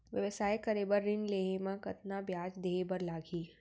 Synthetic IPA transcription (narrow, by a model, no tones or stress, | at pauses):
ʋjɐʋəsaːjkɐɾeːbəɾːɪnleːɦemãkɐt̪nabjaːd͡ʒd̪eːbɐɾlaːɡiː